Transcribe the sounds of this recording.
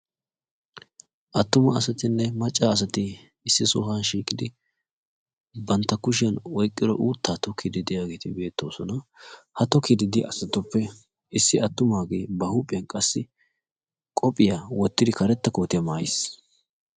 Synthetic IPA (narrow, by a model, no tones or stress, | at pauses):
ʔɐt̪ːʊmɐːsɐt̪ɪnːɛmɐt͡ʃʼːaːs̬ɐt̪ɪ | ɪsːɪsʊhanʃiːkʼɪd̪ɪ | bɐnt̪ːɐkʊʃ̬ɪjɐnwɔjkʼːɪd̪ɔ̰ʔuːt̪ʰːaːt̪ɔkʰɪd̪ɪd̪ɪjaːɡe̞ːt̪ɪbe̞ːt̪ːo̞ːsɔnɐhɐt̪ɔkɪd̪ɪd̪ɪɐsɐt̪ːɔpːɛ | ɪsːɪɐt̪ːʊmaːɡe̞ːbɐhuːpʼːɪjɐnkʼɐsːɪ | kʼɔpʼːɪjawɔt̪ːɪd̪ɪkʰɐɾɛt̪ːɐkoːt̪ɪjɐmaːjs